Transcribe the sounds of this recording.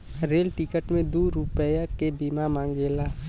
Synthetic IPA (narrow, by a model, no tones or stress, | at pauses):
ɾeːlʈɪkəʈmẽd̪uːɾʊpəjakebiːmamãːŋɡeːlaː